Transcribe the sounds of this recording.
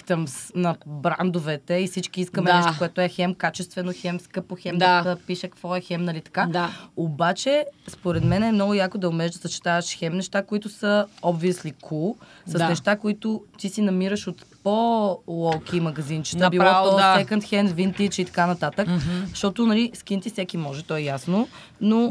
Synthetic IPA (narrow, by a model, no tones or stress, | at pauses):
t̪əmsnɐbɾa̰nd̪ovɛt̪ɛifsit͡ʃkiiskəmɛnɛʃtokoɛt̪ʊɛxɛmkat͡ʃɛst̪vɛnoxɛmskəpoxɛmd̪t̪əpiʃəkkvɔɛxɛmnɐlit̪ɐ̥kaaobat͡ʃɛspoɾɛd̪mɛnɛmnɔɡʊjakod̪ɐʊmɛʒd̪ɐsət͡ʃɛ̥t̪avɐʃxɛmnɛʃt̪akoit̪ʊsəɔbviəslikʰusəsnɛʃt̪akoit̪ʊt̪isinɐmiɾəʃot̪polˠɔlˠk̟imɐɡɐzint͡ʃi̥t̪əbilˠɔɔɛkənt̪xɛnvint̪it͡ʃit̪ɐ̥kanɐt̪at̪əkəʃt̪ɔt̪onɐliskint̪isɛkimɔʒɛt̪ɔɛjasno | no